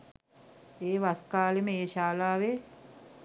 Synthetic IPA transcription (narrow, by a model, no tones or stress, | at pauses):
eːʋaskaːleməeːʃaːlaːʋe